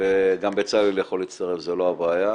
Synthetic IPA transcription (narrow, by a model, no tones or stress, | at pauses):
eɡambet͡saliljaχo̞lit͡sst̪aʁe̞fzeloabaːja